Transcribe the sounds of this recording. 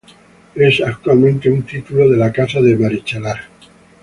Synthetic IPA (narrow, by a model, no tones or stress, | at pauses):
e̞sakt̪walmẽnt̪e̞unt̪it̪ulo̞ðe̞lakasaðe̞maɾit͡ʃalaɾ